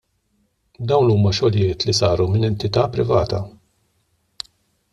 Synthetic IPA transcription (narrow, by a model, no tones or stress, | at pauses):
d̪ɐwnuːmɐʃɔlɪjɪːt̪lisɐːɾumɪnɛnt̪ɪt̪ɐːpɾɪvɐːt̪ɐ